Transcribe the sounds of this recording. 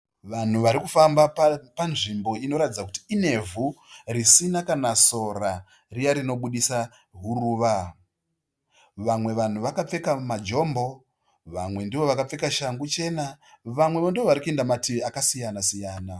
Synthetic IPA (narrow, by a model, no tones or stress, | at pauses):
ʋan̤uʋaɾikufambapanʐimbo̞ino̞ɾatid͡zaku̥ti̥ːne̞vurisinakanaso̞ra | rijaɾino̞ɓuɗisa | ɦuɾuːʋa | ʋamwe̞ʋan̤uʋakap͡fe̞kamad͡ʒo̞ːmbo̞ | ʋamwe̞ndiʋo̞ʋakap͡fe̞kaʃaŋɡut͡ʃe̞naʋamwe̞ʋondiʋoʋaɾikue̞ndamatiakasijanasijaːna